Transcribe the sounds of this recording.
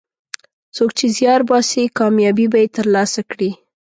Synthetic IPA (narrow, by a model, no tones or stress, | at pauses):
t͡sok̚t͡ʃezjɑɾbɑsikɑmjɑbibajet̪əɾlɑsakɽi